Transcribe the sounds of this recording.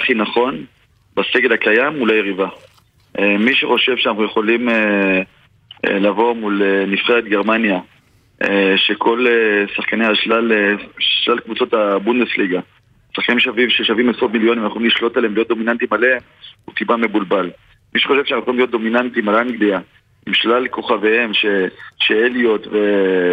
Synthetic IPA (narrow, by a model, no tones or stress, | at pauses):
aχinaχo̞n | baseɡelhakajamːulajeʁiva | miʃeχo̞ʃe̞vʃeanaχuje̞χo̞lime | lavo̞mulenifχeet̪̚ɡe̞ʁmanja | eʃe̞kʰo̞lesaχkaneaʃlaleʃlalkvut͡so̞t̪abundesliɡa | saχkanimʃavivʃeʃavimesʁot̪miljonimanaχolimliʃlo̞t̪aleemlijot̚d̪o̞minant̪imaleem | ṵt̪ibamebulbal | miʃe̥χoʃevʃanaχujeolimljot̪̚d̪o̞minant̪imalamiɡlia | imʃlalkʰo̞χavehemʃeʃeelijo̞t̪ve